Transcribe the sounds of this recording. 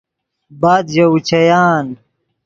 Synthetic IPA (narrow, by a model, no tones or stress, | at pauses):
baːd̪ʑɐut͡ɕʰɐjaːn